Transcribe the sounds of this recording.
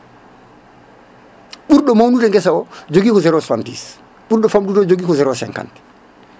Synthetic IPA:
ɓuɾɗɔmawnuɾɛŋɡɛsaɔd͡ʒoɡikɔzɛɾosantḭːs | ɓuɾɗɔfamɗuɾod͡ʒoɡikɔzɛɾosɛ̰ŋka̰nt

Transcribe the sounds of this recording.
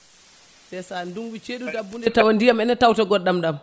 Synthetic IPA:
sɛsanduŋwit͡ʃeɗudabːundɛtawandijamɛnatawtaɡɔɗːamɗam

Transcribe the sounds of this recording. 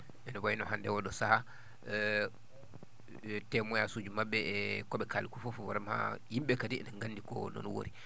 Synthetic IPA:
ɛnɔbajinɔhandɛwɔɗɔsaha | tɛmɔjasud͡ʒumabːɛɛkɔɓɛkalikufɔfɔwɔɾɛmha̰himɓɛkadiɛ̰naŋɡandikɔ̰nɔ̰nwo̰ɾi

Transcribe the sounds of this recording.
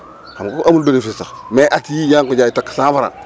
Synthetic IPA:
kamkoʔamulbenefistameʔatjijaŋkod͡ʒaitakːsãːfaɾa̰n

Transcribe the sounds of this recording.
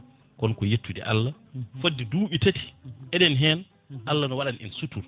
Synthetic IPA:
kɔnkɔjetʰːudɛ̰ʔa̰lːa | fodːiduːɓitati̥ʔɛɗɛnɦɛn | alːanɔwaɗanʔḭnsutul

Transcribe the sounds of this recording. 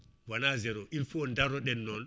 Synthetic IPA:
wanazɛɾɔʔilfuɔndaɾɔɗɛnːɔn

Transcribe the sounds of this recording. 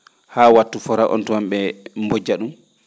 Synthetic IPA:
haːwatːufɔɾaʔɔ̰ntɔamɓɛmbod͡ʒaɗum

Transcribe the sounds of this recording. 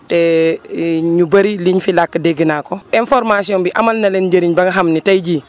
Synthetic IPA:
tɛ | ɲubɐɾiliɲfilakːədeɡinakɔɛnfɔɾmasiɔ̃mbiʔɐmalnɐlɛnd͡ʒɐɾiɲbɐɡɐɦamnitɐjɟiː

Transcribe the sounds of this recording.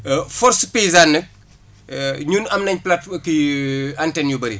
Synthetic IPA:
fɔɾspezaːnːɐk̚ | ɲunɐmnɐɲplatkiantɛnjubɐɾḭ

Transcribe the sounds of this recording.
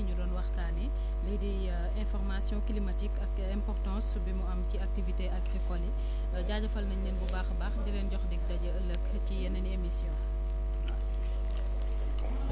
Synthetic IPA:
ɲudɔːnwɐxtaːni | lidi | ɛ̃fɔrmasjɔ̃klimatikɐk | ɛ̃mpɔrtɔ̃ːs | bimuɐmciak̚tiviteʔɐkɛkɔli | ɟaɟɐfɐlnɐɲnɛnbubaːxbaxdiɾɛnɟɔxdik̚dɐɟɐəlɐk | cijɛnːɐniemisjɔ̃

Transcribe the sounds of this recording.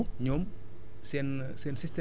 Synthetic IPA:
ɲom | snsinsist̪e

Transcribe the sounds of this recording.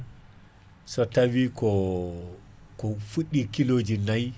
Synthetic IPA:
sɔtawikɔ | kɔfuɗːikiloːd͡ʒinaj

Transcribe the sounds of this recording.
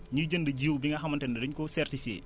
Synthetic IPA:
ɲuɟəndəɟiːwbiŋɡɐɦɐmɐntɛndɐdəɲkɔsɛrtifiḛ

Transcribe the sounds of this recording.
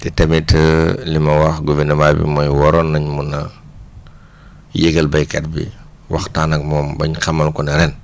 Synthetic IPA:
tɛtɛmitʰəlimɐwaxɡuvinɐmaːjbḭmɔjwɔɾɔnːɐɲmunɐ | jɛɡɐlbɐjkɛt̚bḭ | wɐ̰xtaːnɐk̚mɔːmbɐɲxɐmːɐlkɔnɐɾɛn

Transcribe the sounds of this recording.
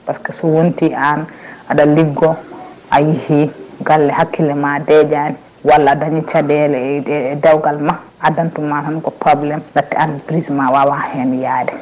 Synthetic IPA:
paskɛsɔwontiʔanʔaɗaliɡɔ | ʔajihiɡalːɛhakːilɛmadɛd͡ʒani | walːadaɲit͡ʃadɛlɛdawɡalma | ʔadantumahanɡɔpɔblɛmɗatːɛ̰anpɾismawawahɛnijadɛ

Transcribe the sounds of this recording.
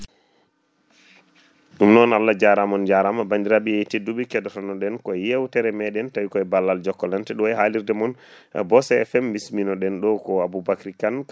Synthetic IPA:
ɗumnɔnalːad͡ʒaɾamɔnd͡ʒaɾamabandiɾaɓijɛtiduɓikɛdɔtɔnɔɗɛnkɔjewtɛɾɛmɛɗɛntawikɔɛbalːald͡ʒɔkːɔlɛntɛɗɔwɛɦaliɾdɛmɔn | ɛ̰bɔsɛɛfɛmːbisminɔɗɛnɗɔkɔabubakɾikank

